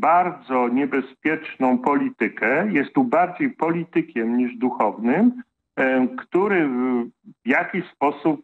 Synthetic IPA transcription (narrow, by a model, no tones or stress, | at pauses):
baɾd̪zɔɲɛbɛspʲjɛt͡ʂnɔ̃w̃pɔlʲit̪ɘkɛjɛst̪ːubaɾd͡ʑejpɔlʲit̪ɘkʲɛmɲiʐd̪uxɔvnɘm | kt̪uɾɘ | vjakʲiɕspɔsup̚